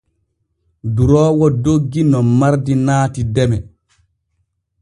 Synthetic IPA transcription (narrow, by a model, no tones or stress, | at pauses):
duɾɔːwɔdoɡːinɔmaɾdinaːtidɛmɛ